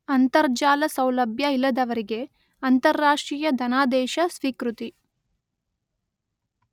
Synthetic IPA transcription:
ɐnt̪ɐɾd͡ʒaːlɐsɐwlɐbʱjɐilːɐd̪ɐʋɐɾiɡe̞ | ɐnt̪ɐɾːaːʂʈɾiːjɐd̪ʱɐnaːd̪ɛːʃɐsʋiːkɾut̪i

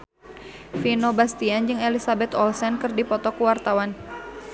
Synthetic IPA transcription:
finobast̪iand͡ʒɨŋelisabɛt̪ɔlsɛnkɨrdipɔt̪ɔkuwart̪awan

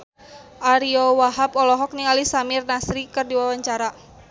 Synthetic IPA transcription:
ʔaɾiɔwaɦapɔlɔɦɔk̚niŋalisamirnasɾikɨrdiwawaɲt͡ʃaɾa

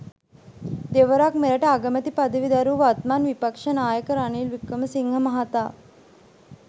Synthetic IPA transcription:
d̪eʋəɾakmeɾəʈəaɡəmət̪ipad̪əʋid̪aɾuːʋat̪manʋipakʂənaːjəkəɾanilʋikɾəməsiŋɦəmɐɦat̪aː

